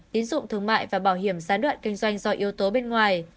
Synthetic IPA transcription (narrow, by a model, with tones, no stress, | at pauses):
t̪i˨˦ənzʊ̰˧˨ŋ͡mt̪ʰɨ˧əŋma̰ː˧˨jvaː˨˩ɓaː˧˩whɦi˧˩əmzaː˨˦nɗwa̰ː˧˨nkï˧ŋ̟zwa˧jŋ̟zɔ˧ʔi˨˦əwt̪o˨˦ɓe˧nŋwaː˨˩j